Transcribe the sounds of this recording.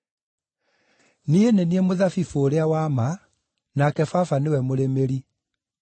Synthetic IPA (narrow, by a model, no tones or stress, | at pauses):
nieneniemoðafifoːɾeawama | nakɛfafanewɛmoɾemeɾi